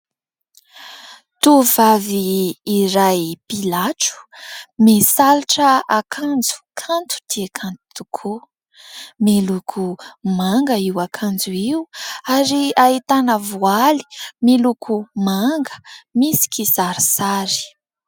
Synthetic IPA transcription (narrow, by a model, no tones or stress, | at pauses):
t̪uvaviːɾajpilaʈ͡ʂu̥mesaliʈ͡ʂəakʰand͡zu̥kʰant̪ʰu̥d̪̥iakʰant̪u̥t̪ukʰu | melukʰumaŋɡəiwakʰand͡zuiwaɾiait̪anəvuali̥melukʰumaŋɡə̥misi̥kʲizaɾisaɾi̥